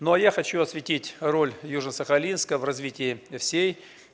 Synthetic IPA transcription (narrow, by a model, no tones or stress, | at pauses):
nojaxɐt͡ɕuɐsvʲɪtʲitʲro̞lʲjuʐnəsəxɐlʲinskəvrɐzvʲitʲɪɪfsʲej